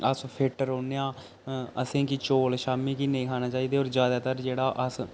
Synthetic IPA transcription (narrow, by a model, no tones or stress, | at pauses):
əspʰeːʈːəɾoːnejãː | əsẽːkit͡ʃoːlʃaːmiːkiːnəĩːkʰaːnaːt͡ʃaːiːd̪eːoːɾd͡ʒjaːd̪aːt̪əɾd͡ʒeːɽaːʔəs